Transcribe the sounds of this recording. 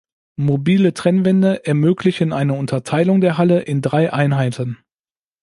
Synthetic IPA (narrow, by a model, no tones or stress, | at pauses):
mobiːlətʁ̥ɛnvɛndəʔɛɐmøːklɪçənʔaɪnəʊntʰɐtʰaɪlʊŋdeːɐɦaləʔɪndʁaɪʔaɪnɦaɪtʰən